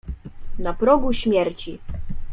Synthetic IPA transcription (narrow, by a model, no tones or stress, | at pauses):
napɾɔɡuɕmʲjɛɾt͡ɕi